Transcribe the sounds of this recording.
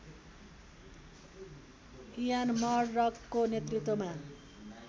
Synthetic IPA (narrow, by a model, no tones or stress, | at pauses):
ijanmʌrːʌkːonet̪rit̪woma